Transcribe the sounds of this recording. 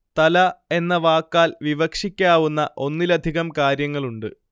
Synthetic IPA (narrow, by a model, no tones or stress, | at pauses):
t̪ɐlɐe̞nːɐʋaːkːaːlʋiʋɐkʂikʲːaːʋunːɐʔo̞nːilɐd̪ʱiɣɐmkaːɾjɐŋːɐɭuɳɖɨ